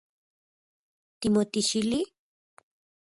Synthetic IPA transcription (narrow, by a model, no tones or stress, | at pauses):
t̪imot̪iʃili